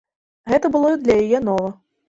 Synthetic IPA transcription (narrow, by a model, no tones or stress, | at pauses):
ɣɛt̪ɐbɨlˠɔid̪lʲɐjajɛnɔvɐ